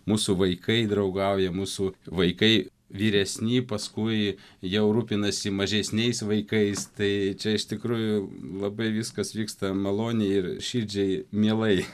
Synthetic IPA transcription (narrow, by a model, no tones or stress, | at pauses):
muːsuʋɐɪkʰɐɪd̪ɾɐʊɡɐʊjɛmuːsuʋɐɪkɐɪ | ʋʲiːɾʲɛsʲnʲiːpɐskʊɪjɛʊɾuːpʲɪnɐsʲɪmɐʒʲɛsʲnʲɛɪsʋɐɪkɐɪst̪ɐɪt͡ʃʲɛɪʃt̪ʲɪkɾuːjʊlˠɐbɐɪʋʲɪskɐsʋʲiːkst̪ɐmɐlˠoːnʲɛɪɪɾʃʲid͡ʒʲɛɪmʲiɛlˠɐɪ